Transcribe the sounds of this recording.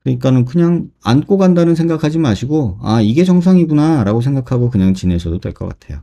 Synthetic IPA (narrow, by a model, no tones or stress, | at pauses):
kɯɲik͈anɯnkɯɲaŋa̰nk͈oɡandanɯnsʰe̞ŋɡakʰad͡ʑimɯnaɕʰiɡoa̰iɡe̞t͡ɕʌŋs̬ʰʌŋiɡunaɾaɡos̬ʰe̞ŋɡakʰaɡokɯɲaŋt͡ɕinesʰʌdotḛɭk͈ʌ̰k͈a̰tʰe̞̰jo̰